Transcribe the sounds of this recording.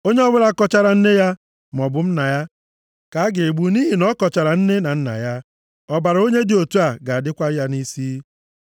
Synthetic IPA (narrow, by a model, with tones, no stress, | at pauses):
o˦ɲe˦ɔ˦bʊ˦ɾa˦˨kɔ˦t͡ʃa˦ɾa˨n̩˦ne˦ja˦ | m˨ɔ˨bʊ˨m̩˦na˨ja˦ | ka˨a˦ɡe˨e˨ɡ͡bu˨˦ni˦ɦi˨nɔ˦kɔ˨t͡ʃa˨ɾa˨n̩˦ne˦na˨n̩˦na̰˨ja˦ | ɔ˦ba˨ɾa˨˦o˦ɲe˦dɪ˨o˨tu˦a˨ɡa˨a˨dɪ˦kʷa˦ja˦ni˦siː˦